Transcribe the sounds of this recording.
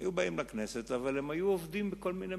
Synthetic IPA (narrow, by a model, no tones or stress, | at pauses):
juwbɐʔiːmlɐknɛːsɛt̪ɐvɐlɪmːɐjuwɔfd̪iːmbkːɔlmiːnɛ